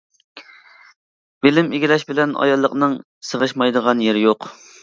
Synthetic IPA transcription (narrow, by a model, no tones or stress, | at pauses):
b̥ɪlɪmeɡʲilɛʃbɪlɛnɑ̰jɑlˠːəqnɨŋ | səʁəʃmɑjd̪əʁɑnjeɾɪjoq